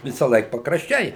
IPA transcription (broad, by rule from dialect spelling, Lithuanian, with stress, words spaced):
ʋʲɪsɑːˈlˠɐɪk pɐkrɐʃʲˈt͡ʃʲɛɪ